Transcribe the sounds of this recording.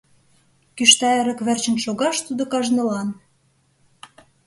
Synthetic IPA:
kyʃt̪ɑĕɾə̆kβĕrt͡ɕə̆nʃoɣɑʃt̪ud̪okɑʒnə̆lɑn

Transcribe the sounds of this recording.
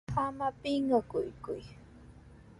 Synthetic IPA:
amapɪŋɢɑkʊjkʊj

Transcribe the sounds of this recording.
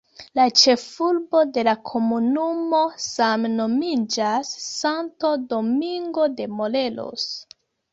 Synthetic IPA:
lat͡ʃe̞fulbo̞de̞lakʰo̞munumo̞samno̞mid͡ʒasːanto̞do̞miŋɡode̞mo̞le̞lo̰s

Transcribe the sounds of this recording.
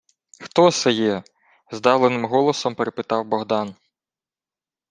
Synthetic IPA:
xt̪ɔsɛjɛ | zd̪ɑwlˠenɪmɦɔlˠɔsɔmpeɾepɪt̪ɑwbɔɦd̪ɑn

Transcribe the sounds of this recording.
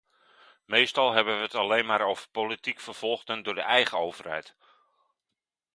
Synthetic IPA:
mejstɑlˠɦɛbənʋəətalejnmaːɾowvərpolitikfərv̥ɔlˠχdəndʊːrdəʔɛjχəowvərhɛ̰jt

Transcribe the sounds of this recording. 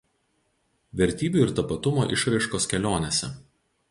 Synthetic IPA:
ʋʲɛɾʲt̪ʲiːbʲuˑɪɾt̪ɐpɐt̪ʊmo̰ːʔɪʃɾɐɪʃkoːskʲɛlʲoːnʲesʲɛ̰

